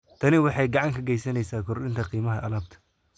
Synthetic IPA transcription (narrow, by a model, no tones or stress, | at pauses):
t̪ʰɐnɪwɑħɑjɡɑʕɑŋkʰɐɡɛjsɐnɛjsaːkʰʊrɗɪnt̪ʰɐqiːmɐɦɐʔɐlaːbt̪ʰɐ̥